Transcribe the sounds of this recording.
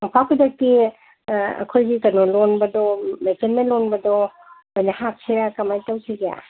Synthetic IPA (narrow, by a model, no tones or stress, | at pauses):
ŋpʰawkʰudak̚ti | a̰kʰojɡikɐnɔlɔnbɐdɔmekenmenlɔnbɐdɔ | ojnahap̚sʰiɾakamajtawsʰiɡea̰